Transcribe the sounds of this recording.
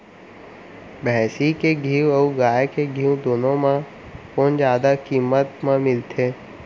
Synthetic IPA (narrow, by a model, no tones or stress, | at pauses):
bɛːsikeɡʱiːəuɡaːjkeɡʱiːũd̪oːnõmã | koːnd͡ʒaːd̪akiːmət̪mãmɪlt̪ʰeː